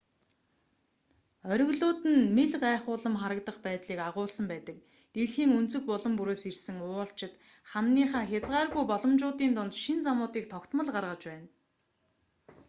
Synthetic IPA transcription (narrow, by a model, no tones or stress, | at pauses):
œɾʲɵ̆ɣɮʊːt̪ɘ̆nmeɮɢaæːχʊːɮə̆mχaɾə̆kt̪ə̆χpæːt̪ɮiːkaʁʊːɮsə̆mpæːt̪ə̆k̚ | t̪eɮxiːŋunt͡sɵ̆k̚pʊɮɞ̆mpuɾoːsersɘ̆ŋʊːɬt͡ɕʰɪ̆t̪ | χanːiːχaːxʲat͡sɢaːrɣujpɔɮɞ̆mt͡ɕʊːt̪iːnt̪ʊnt̪ʃint͡samʊːt̪iːk̚t̪ʰɔkt̪mə̆ɮɢarʁə̆t͡ɕpæːn